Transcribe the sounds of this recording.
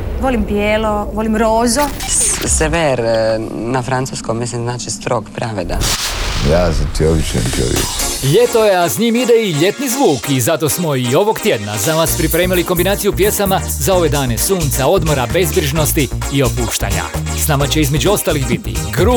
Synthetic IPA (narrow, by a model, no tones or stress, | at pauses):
ʋolimbjeːloʋolimɾoːzoseʋeɾnafɾant̪uskommislimznaːt͡ʃist̪ɾoɡpɾaʋed̪a̰jaːsat̪ioʋiʃḛnko̰ʋḭʎe̞t̪o̞je̞asɲiːmid̪eiʎe̞t̪nizʋuːkizat̪o̞smo̞io̞ʋo̞ɡt̪je̞d̪na̰zanaːspɾipɾeːmiliko̞mbinaːt̪ijupje̞sama | zao̞ʋe̞d̪aːne̞suːnt̪sao̞d̪mo̞ɾabe̞zbɾiʒno̞st̪iːo̞puːʃt̪a̰ːɲa̰ | snaːmat͡ɕe̞izme̞d͡ʑuo̞st̪alixbit̪ḭɡɾu